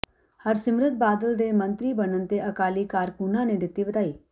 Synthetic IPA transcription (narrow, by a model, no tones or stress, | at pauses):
həɾsɪmɾət̪̚baːd̪əld̪eːmə̃nt̪ɾiːbənənt̪eːʔəkaːliːkaːɾkunãːneːd̪ɪt̪ːiːbət̪aːiː